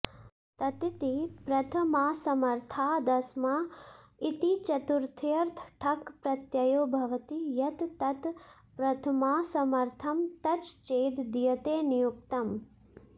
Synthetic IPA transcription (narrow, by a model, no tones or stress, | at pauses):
t̪ɐt̪it̪ipɾɐt̪ʰɐmaːsɐmɐɾt̪ʰaːd̪ɐsmaː | it̪it͡ʃɐt̪uɾt̪ʰjɐɾt̪ʰʈʰɐkpɾɐt̪jɐjoːbʱɐʋɐt̪ijɐt̪ːɐt̪ | pɾɐt̪ʰɐmaːsɐmɐɾt̪ʰɐmt̪ɐt͡ʃt͡ʃeːd̪d̪ijɐt̪eːnijuk̚t̪ɐm